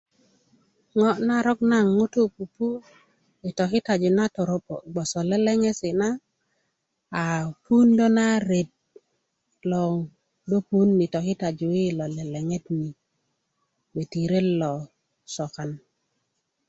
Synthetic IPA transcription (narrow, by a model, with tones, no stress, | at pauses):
ŋɔ˦na˦ɾɔ˦k̚na˦˨ŋːo˦to˦pu˨pu˦ | ɪ˨tɔ˨kɪ˦ta˨d͡ʒʊ˨na˦tɔ˨ɾo˦po˨ɡ͡bɔ˨sɔ˨lɛ˦lɛ˦ŋɛ˦sɪ˨na˦˨ | pu˦ndɔ˦na˦ɾe˨t̚ | lɔ˨ŋ | do˦pu˦nːi˨tɔ˨kɪ˦ta˨d͡ʒʊ˨ɪ˦lɔ˨lɛ˨lɛ˨ŋɛ˦t̚ni˨ | be˨ti˨ɾe˦lɔ˨ | sɔ˨ka˨n